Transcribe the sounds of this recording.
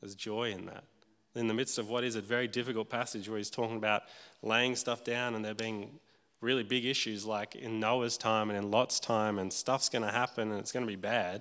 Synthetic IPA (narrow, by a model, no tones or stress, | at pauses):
ðəzd͡ʒɔɪɨ̃nðə̰t̚ | ɨ̃nðɨmɪd̥stʌvwʌɾɨzɨvɛɹidɪfɨkl̩ˠt̚pʰæsɨd͡ʒwə˞iz̥tʰɔkɪ̃ŋəbaʊt̚leɪɪ̃ŋstʌfd̥ãʊ̃nə̃nðə˞biɪ̃ŋ | ɹɪlˠibɪɡɪʃʉzlaɪkɪ̰̃nːoʊəz̥tʰãɪ̃mɨ̃nɨ̃nlɑtstʰãɪ̃mɨ̃nstʌfsɡ̥ʌñəɦæpɨ̃nɨ̃nɨtsɡ̥ʌnɨbibæd̥̚